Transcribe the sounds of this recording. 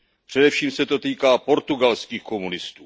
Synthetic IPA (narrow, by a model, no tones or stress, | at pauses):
pr̝̥ɛdɛfʃiːmsɛt̪o̞t̪iːkaːpo̞ɾt̪uɡalskiːxko̞munɪst̪uː